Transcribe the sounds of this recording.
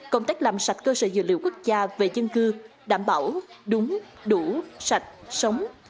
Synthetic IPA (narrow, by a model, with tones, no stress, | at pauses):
kə˧wŋ͡mt̪a˦˥k̚laː˨˩msa˨˩jt̚kəː˧səː˧˩zɨ̰˧˨lḭ˧əwku˦˥k̚zaː˧ve˨˩zə˧nkɨ˧ɗaː˧˩mɓaː˧˩wɗʊ˨˦ŋ͡m | ɗu˧˩sa˨˩jt̚sə˨˦wŋ͡m